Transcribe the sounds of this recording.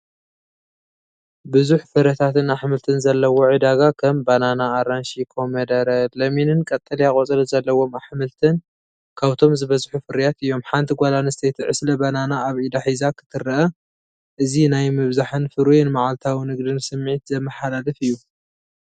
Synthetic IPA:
bɨzuħfɨɾɐt̪ʰat̪ɨnaħmɨlt̪ʰɨnzɐlːɐwo̞ʕɨd̪aɡakʰɐmbananaːɾanʃikʰomɐd̪ɐɾɐlɐminɨnkʼɐt̪ʼːɐliakʼot͡sʼɐlɐzɐlːɐwo̞maħmɨlt̪ʰɨn | kʰaβt̪ʰo̞mzɨβɐzħufɨɾjat̪ɨjːo̞mħant̪ʰiɡʷalanɨst̪ʰet̪ʰɨʕɨslɐbananaːβid̪aħizakʰɨ̥t̪ʰɨɾɐʔɐ | ʔɨzinajmɨβzaħɨnfɨɾujɛnmaʕalt̪ʰawinɨɡd̪ɨnsɨmːʕit̪zɐmːɐħalalɨfɨjːu

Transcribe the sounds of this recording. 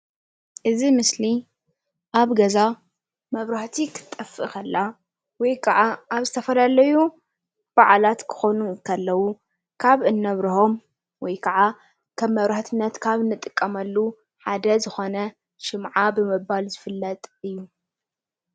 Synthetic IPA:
ʔɨzimɨsli | ʔaβɡɐza | mɐβɾaħt̪ʰikʰɨ̥t̪ʼɐfɨkɐlːa | wɔjkʰɐʕaʔaβzɨt̪ʰɐfɐlalɐju | b̥aʕlat̪kʰɨ̥xonukʰɐlːɐwu | kʰaβɨnːɐβɾɨho̞m | wɔjkʰɐʕa | kʰɐβːɐβɾaħt̪ʰɨnːɐt̪kʰaβnɨt̪ʼːɨkʼːɐmɐlːu | ħad̪ɐzɨxo̞nɐ | ʃɨmʕabɨmɨbalzɨfɨlːɐt̪ʼɨjːu

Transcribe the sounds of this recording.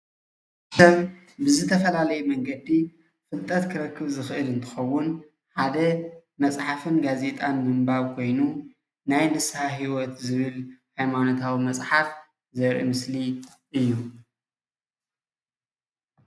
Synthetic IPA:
sɐβ | bɨzɨt̪ʰɐfɐlalɐjumɐŋɡɐd̪i | fɨlt̪ʼɐt̪kʰɨɾɐkʰːɨβzɨxɨʔɨlɨnt̪ʰɨ̥xɐwːʊn | ħad̪ɐmɐsʼħafɨnɡaze̞t̪ʼanːɨmbaβkʰo̞jnu | najlɨshaɦiwɔt̪zɨβɨlhajmanot̪ʰawimɐt͡sʼħaf | zɐɾʔḭmɨsli | ʔɨjːu

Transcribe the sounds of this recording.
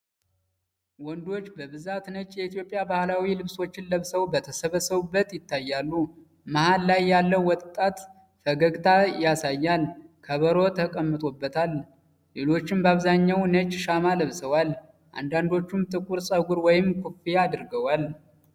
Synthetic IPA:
wɔnd̪o̞t͡ʃːbəβɨzat̪nət͡ʃʼjɛit̪ijo̞pʼjabahlawilɨβso̞t͡ʃːɪnləβsəwbət̪ʰəsəβəsəβubːət̪jɪt̪ːajːalːu | mahalːajːalːəwwɔt̪ʼːat̪ | fəɡəɡt̪ʰajasajːalkʰəβəɾo̞t̪ʰəkʼəmːɨt̪ʼobːət̪ʰal | le̞lo̞t͡ʃːɪmbaβzaɲːawnət͡ʃʼʃamaləβsəwal | ʔa̰nd̪and̪o̞t͡ʃːumt̪ʰʼɨkʼuɾsʼəɡuɾwɔjɪmkʰufijaːd̪ɨɾɡəwal

